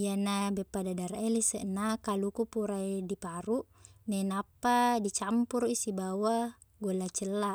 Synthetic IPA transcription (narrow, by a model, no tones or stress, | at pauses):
ijanabɛpːadadaɾaɛlisɛʔnakalukupuɾaidipaɾuʔnɛnapːadit͡ʃampuɾisibawa | ɡolat͡ʃəlːa